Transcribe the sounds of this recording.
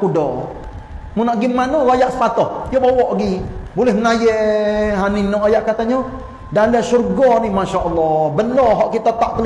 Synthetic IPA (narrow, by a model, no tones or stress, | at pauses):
udɔ | munaʔɡimanolajaʔsə̥pat̪ɔhjɔbawɔʔɡibolɛhnajeʔɦaninɔajaʔkat̪aɲɔ | dalasurɡɔnimaʃaʔɔlːɔbənɔɦɔʔkit̪at̪aʔt̪əl